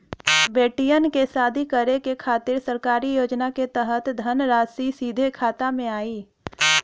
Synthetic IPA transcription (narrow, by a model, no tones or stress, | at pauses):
beːʈijənkesaːd̪ʱikəɾekekʰaːt̪ɪɾsəɾkaːɾijoːd͡ʒnaket̪ɛɦət̪d̪ʱənɾaːsisiːd̪ʱekʰaːt̪amẽaːiː